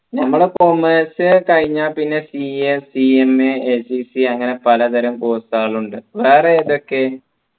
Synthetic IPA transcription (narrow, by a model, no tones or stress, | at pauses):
nɐmːɐɭekomeːsɨkɐɻiɲːaːpinːe̞siesiemeesisiɐŋːɐne̞pɐlɐt̪ɐɾɐmkoːsaːɭuɳɖɨʋeːreːðo̞kːe